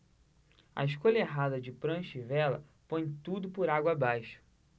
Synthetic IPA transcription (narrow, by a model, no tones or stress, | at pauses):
ɐ̰ɪʃkoʎɐeɦad̪ɐd͡ʒɪpɾɐ̃ʃivɛlɐ̰põj̃t̪ud̪ʊpʊɾaɡwɐabajʃʊ̥